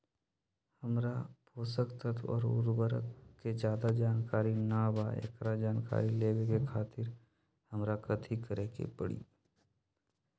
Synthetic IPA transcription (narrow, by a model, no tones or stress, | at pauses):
həmɾapoːsəkt̪ət̪ʰɔ̰ːɾʊ̰ɾbəɾə̰kːed͡ʒjaːd̪ad͡ʒaːnkaːɾinaːbaḛːkɾad͡ʒaːnka̰ːɾileːʋekekʰaːt̪ɪɾ | həmɾakət̪ʰikəɾeːkḛpəɽḭː